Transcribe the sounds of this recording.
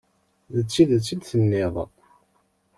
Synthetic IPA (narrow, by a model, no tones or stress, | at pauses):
ðət͡sːiðət͡sːid̪θənːɪðˤ